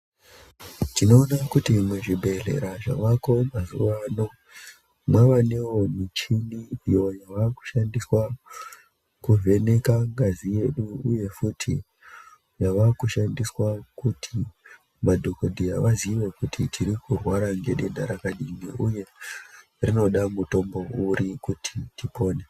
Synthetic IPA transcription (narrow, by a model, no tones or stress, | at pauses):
tino̞ːnakutimweʐibʱe̞re̞̰ɾaʐa̰ʋako̞mazṵʋano̞ | mwaʋane̞wo̞nit͡ʃiniijo̞jaʋaku̥ʃandiswa | kuvʱe̞ne̞kaŋɡazije̞ɗuuje̞futʰi | jaʋakuʃandiswakutʰi | madʱo̞kodʱiaʋaziʋe̞kutʰitʰiɾikurwaɾaŋɡe̞ɗe̞dʱaɾakaɗiniʔuje̞ | rino̞ɗamuto̞mbo̞uɾikutʰitipo̞ːne